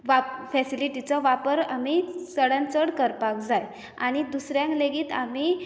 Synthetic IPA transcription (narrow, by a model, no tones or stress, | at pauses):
ʋafɛsiliʈit͡sɔʋapəɾamisəɽãnt͡səɽkəɾpak̚d͡zaj | a̰ɽ̃id̪usɾjãŋkleɡiːt̪ami